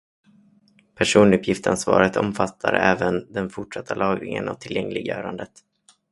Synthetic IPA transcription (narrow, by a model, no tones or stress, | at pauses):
pʰæʂuːnɵpʰjɪft̪ansvɑːɾət̪ʰɔmfat̪ʰːaɾəɛːvənd̪ɛnfʊʈʂat̪ʰːalʔɑːɡ̪ɪŋənavt̪ʰɪljɛŋlɪɡjœːɾand̪ət̪